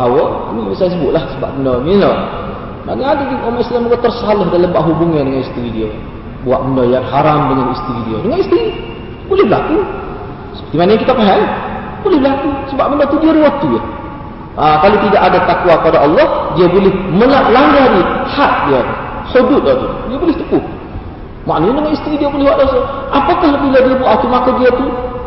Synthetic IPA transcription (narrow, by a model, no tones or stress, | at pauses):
awaamiisajas̬əbʊʔ̪̚lahsəba̰ʔbəndɔnilo | naɡaadadiumaislaməɡat̪ərsalɔhdaləmbaʔɦubʊŋadəŋanist̪iwidio | bua̰ʔməndɔjaŋɦaɾamdəŋanist̪iwidiodəŋanist̪i | bolɛhbəlaku | sə̥pərt̪imanajaŋkit̪akaɦai | bolɛhbəlakusəbap̚məndɔt̪udiaɾuwot̪uja̰ | akalit̪idaʔadat̪akwakəpadaʔɑlːɔhdiabolɪhməlaʔlaŋɡahdiahat̪̚diat̪hodʊt̪̚dɔt̪ɔ̰diabolɪht̪əpʊh | ma̰ʔnɲndəŋanist̪ɾidiabulɪhwaʔdosaʔapakahbiladiabuaʔt̪umakadiat̪u